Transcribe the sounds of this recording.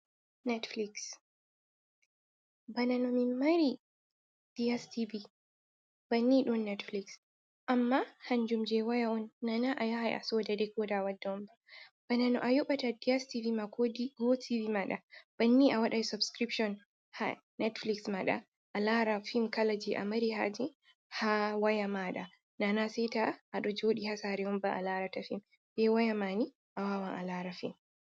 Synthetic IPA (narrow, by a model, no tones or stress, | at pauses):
nɛtfliks | bananɔmimːaɾi | d̥iastibi | b̥anːiɗɔnːɛtfliks | ʔamːahaɲd͡ʒumd͡ʒɛwajaɔnːanaʔajahajʔa̰sɔdadɛkɔːdawadːaɔmbab̥ananɔʔajɔɓatadiɛstivimaɡɔdiɡotʰivimaɗa̰b̥anːiʔawaɗajsubskɾipʃɔn | ha̰ | nɛtfliksmaɗa̰ | ʔːlaɾafimkalad͡ʒiʔa̰maɾiɦa̰d͡ʒɛ | hawajamaɗa | nanasɛjtaʔːɗɔd͡ʒoːɗihasaɾɛɔmbaʔa̰laɾatafim | d͡ʒɛwajamani | ʔawaːwaŋʔa̰laːɾafḭm